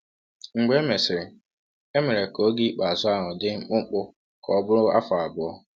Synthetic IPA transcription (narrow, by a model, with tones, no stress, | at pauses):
ŋ͡m̩˨ɡ͡be˨˦me˨sɪ˨ɾɪ˨ | e˦me˨ɾe˨ko˦ɡi˦k͡pa˨a˨zʊ˦a˦ɦɔ˨dɪ˦ŋ͡m̩˦k͡pʊ˦ŋ͡m̩˦k͡pʊ˦ | kʰɔ˨˦bʊ˦ɾʊ˦a˦fa˨a˨bʊ˦ɔ˦